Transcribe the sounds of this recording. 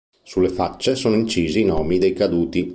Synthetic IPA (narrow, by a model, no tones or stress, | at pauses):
sulːefat͡ʃːesoːnoint͡ʃiːziːnɔːmid̪ejkad̪uːt̪i